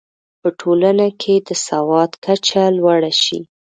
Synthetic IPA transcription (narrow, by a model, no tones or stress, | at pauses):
pəʈʰolanakʰed̪əsawɑd̪kʰat͡ʃalwaɽaʃḭ